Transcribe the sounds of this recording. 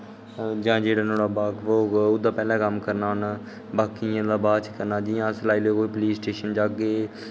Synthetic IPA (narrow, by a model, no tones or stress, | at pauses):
d͡ʒãːd͡ʒeːɽaːnõːɽaːbaːkʋoːʊd̪aːpɛːlãːkəmkəɾnaːn | baːkiãːd̪aːbaːt͡ʃkəɾnãːd͡ʒɪːjãːslaːiːleːkoːiːpəliːsʈeːʃənd͡ʒaːkɡeː